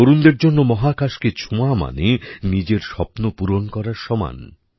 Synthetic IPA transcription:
oɾund̪eɾd͡ʑonːomɔɦakaʃket͡ɕʰuama̰nenid͡ʑeɾʃɔpnopuɾonkɔɾaɾʃɔma̰n

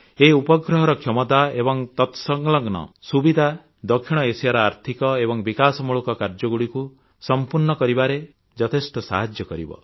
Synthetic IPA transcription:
eupɔɡɾɔɦɔɾɔkʰjɔmɔt̪aebɔŋt̪ɔt̪sɔŋɡlɔɡnɔ̰subid̪ʱa | d̪ɔkʰːiɽ̃ɔesaɾɔaɾt̪ʰikɔebɔŋbikasɔmuɭukɔkaɾd͡ʒɔɡuɽiku | sɔmpuɾnɔkɔɾibaɾe | d͡ʒɔt̪ʰesʈɔsa̰ɦad͡ʒjɔkɔɾḭbɔ̰

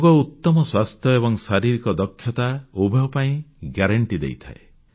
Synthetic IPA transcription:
ɡɔut̪ːɔmɔswast̪ʰjɔebɔŋsaɾiɾikɔd̪ɔkʰːjɔt̪aubʱeɔpaĩɡjaɾaɳʈid̪ḛjt̪ʰae

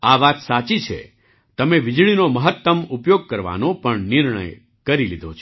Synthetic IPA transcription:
aʋat̪sat͡ʃit͡ʃʰḛ | t̪əmeʋɪd͡ʒɭinoməɦət̪ːəmupjoɡ̚kəɾʋa̰nopəɳnɪɾɳə̰j | kəɾilid̪ʱot͡ʃʰ

